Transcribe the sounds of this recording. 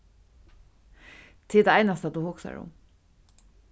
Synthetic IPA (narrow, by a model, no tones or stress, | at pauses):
t̪ʰɪd̪aajnast̪ad̪uhʊksa̰ɹṵ